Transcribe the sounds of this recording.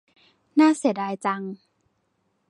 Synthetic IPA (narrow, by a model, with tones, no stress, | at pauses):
naː˥˩˨si˨˩˦daː˧jt͡ɕa˧ŋ